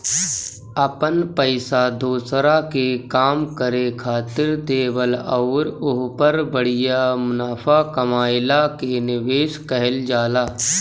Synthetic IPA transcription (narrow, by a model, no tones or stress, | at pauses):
əpənpəɪsad̪ʱoːsɾakekaːmkəɾekʰaːt̪ɪɾd̪eːwəlɔːɾʊɦpəɾbəɽ̤ɪjamʊnaːpʰakɐmaːɪlakenɪʋeːʃkəɦɛld͡ʒaːlaː